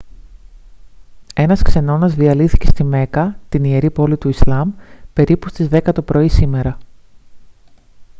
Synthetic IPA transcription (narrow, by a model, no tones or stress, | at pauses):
e̞nɐskse̞no̞nɐzðiɐliθi̥ce̞st̪ime̞kɐt̪inie̞ɾipo̞lit̪uislɐmpe̞ɾipust̪izðe̞kɐt̪o̞pɾo̞isime̞ɾɐ